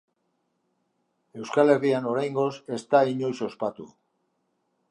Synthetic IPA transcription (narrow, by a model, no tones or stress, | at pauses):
e̞wskale̞riano̞ɾajŋɡo̞se̞st̪aiɲo̞jso̞spat̪ṵ